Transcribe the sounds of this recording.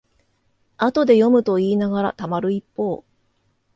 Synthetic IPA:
at̪o̞d̪e̞jo̞mɯ̟t̪o̞iːnaɡaɾa̰t̪amaɾɯ̟ipːo̞ː

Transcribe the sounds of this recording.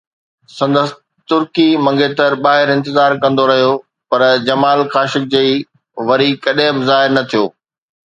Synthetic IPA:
sɐ̃nd̪əs | t̪ʊɾkimɐ̃ŋɡet̪ɐɾɓaːɦɪɾɪ̃nt̪ɪzaːɾkɐ̃n̆d̪oɾɐɦijo | pɐɾd͡ʑɐmaːlxaːʃɪk̚d͡ʑei | ʋɐɾikɐɗẽbɪzaːɦɪɾnɐt̪ʰijoː

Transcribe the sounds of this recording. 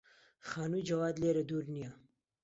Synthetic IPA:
xɑːnujd͡ʒɐwɑːd̪leɾad̪uɾnija

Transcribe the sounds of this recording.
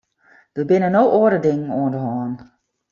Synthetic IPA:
d̥əbɪnənowʔoədədɪŋən̩oəndəɦɔːn

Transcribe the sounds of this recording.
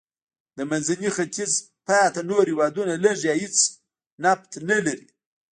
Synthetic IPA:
d̪əmanzanixat̪iz | pɑjat̪anoɾhɪwɑd̪unaləʐjahɪt͡s | nap̚t̪nalaɾḭ

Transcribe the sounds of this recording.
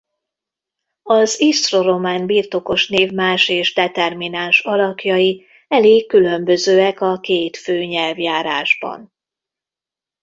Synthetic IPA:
ɒzist̪ro̞ɾo̞maːnbiːrt̪o̞ko̞ʃneːvmaːʃeːʒd̪ɛt̪ɛrminaːnʃɒlɒkjɒji | ɛleːkːylø̞mbø̞zøːɛkɒkeːt̪føːɲɛlvjaːɾaːʒbɒ̰n

